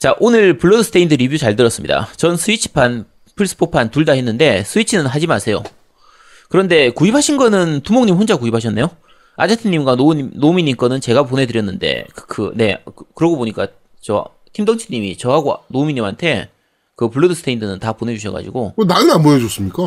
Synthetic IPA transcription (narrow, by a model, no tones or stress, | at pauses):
t͡ɕaʔonɯɭpɯɭːodɯsʰɯ̥tʰeindɯɾibjut͡ɕaɭdɯɾʌs͈ɯmɲida̰t͡ɕʌnsʰɯit͡ɕʰi̥pʰan | pʰɯɭs͈ʰɯ̥pʰopʰantuɭdaɦe̞nːɯnde̞sʰɯit͡ɕʰinɯnɦad͡ʑimasʰe̞jo | kɯɾʌnde̞kuipʰaɕʰinɡʌnɯntumoŋɲimɦond͡ʑakuipʰaɕ̬ʰʌnːe̞jo | a̰d͡ʑetʰɯɲːimɡwanonomiɲːink͈ʌnɯnt͡ɕe̞ɡap̬one̞dɯɾjʌnːɯnde̞̰kɯ̥kʰɯ̰ne̞kɯɾʌɡoboɲik͈a | t͡ɕʌ | tʰimdʌŋt͡ɕʰiɲːimḭt͡ɕʌɦaɡonomiɲːimantʰe̞ | kɯpɯɭːodɯsʰɯtʰeindʰɯnɯntapone̞d͡ʑuɕʰʌɡa̰d͡ʑḭɡokɯnanɯnamboned͡ʑos͈ɯmɲik͈a